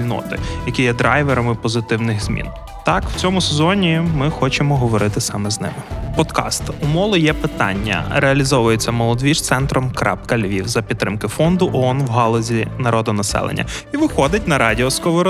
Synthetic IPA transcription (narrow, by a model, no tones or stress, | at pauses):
ilʲnɔ̰t̪ɪ̰jɐkʲijɛd̪ɾɑjʋeɾɔmɪpɔzɪt̪ɪwnɪɣz̥ʲmʲḭn | t̪ɑkw̥t͡sʲɔmʊsezɔnʲimɪxɔt͡ʃemɔɦɔʋɔɾɪt̪ɪsɑmɛznɪ̰mɪpɔd̪kɑ̰st̪umɔlˠʊjɛpɪt̪ɑ̰nʲːɐ̰ɾʔeɐlʲizɔʋʊjet͡sʲːɐmɔlˠɔd̪ʲʋʲiʃt̪sɛnt̪ɾɔmkɾɑ̰pkɐlʲʋʲiwzɐpʲid̪̚t̪ːɾɪmkɪfɔnd̪ʊʔɔɔnwɦɑlˠɐzʲinɐɾɔd̪ɔnɐsɛ̰lˠḛnʲːɐ̰ | iʋɪxɔd̪ɪt̚ʲnɐɾɑdʲiɔskɔʋɔɾ